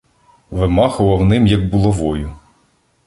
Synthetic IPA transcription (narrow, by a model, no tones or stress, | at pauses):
ʋɪmɑxʊʋɐwnɪmjɐɡ̚bʊlˠɔʋɔjʊ